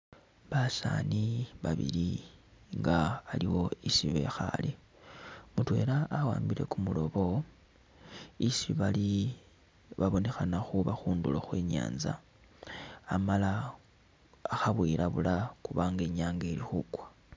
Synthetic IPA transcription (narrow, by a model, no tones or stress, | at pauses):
βasa̰niβaβḭliŋɡaːliwo̞isiβe̞̰xa̰li | mutwe̞ːlaʔːwaːmbiɾe̞̰kumulo̞βo̞ | isiβali | βaβo̞ne̞xanaxuβaxuːnduloxweːɲa̰ːnza̰ | mala | xaβwiːɾʔaβulakuβaːŋɡeɲaːŋɡe̞lixukwḁ